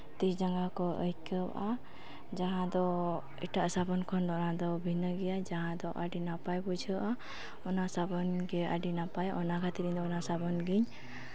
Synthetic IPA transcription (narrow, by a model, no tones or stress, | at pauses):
t̪isd͡ʒaŋɡakɔʔə̰jkəb̰ʔa | d͡ʒaɦãd̪ɔ | iʈaʔəsabɔnkʰɔnd̪ɔʔnad̪ɔbʱinəɡɛjad͡ʒaɦãd̪ɔʔaɖinapajbud͡ʒʱəʔa | ɔnasabɔnɡɛa̰ɖinapajɔnakʰat̪iɾiɲd̪ɔɔnasabɔnɡiɲ